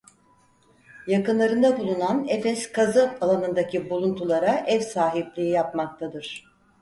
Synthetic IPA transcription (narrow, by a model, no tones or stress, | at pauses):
jakɯnlˠaɾɯnd̪abulˠunanefɛskʰazɯalˠanɯnd̪acʰibulˠunt̪ʰulˠaɾaʔɛvsaːɦiplʲijijapmak̚t̪ʰad̪ɯɾ̥